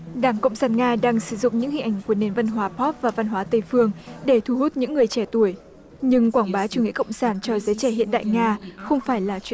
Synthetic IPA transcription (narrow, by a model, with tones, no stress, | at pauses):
ɗaː˧˩ŋkə̰˧˨wŋ͡msaː˧˩nŋaː˧ɗaː˧ŋsɨ˧˩zʊ̰˧˨ŋ͡mɲɨ̰˧˥ŋï˧ŋ̟ʔa˧˩jŋ̟ku˧˩əne˧˩nvə˧nɦwaː˨˦pʰɔ˦˥p̚vaː˨˩va˧nɦwaː˨˦t̪ə˧˩jfɨ˧əŋɗe˧˩t̪ʰu˧˩hu˦˥t̚ɲɨ̰˧˥ŋːɨ˨˩əjt͡ɕɛ˧˩t̪u˧˩əj | ɲɨ˧ŋkwaː˧˩ŋɓaː˨˦t͡ɕu˧˩ŋḭ˧˥˨kə̰˧˨wŋ͡msaː˧˩nt͡ɕɔ˧zəː˨˦t͡ɕɛ˧˩ɦḭ˧˨ənɗa̰ː˧˨jŋaː˧xə˧wŋ͡mfaː˧˩jlaː˨˩t͡ɕwi˧˨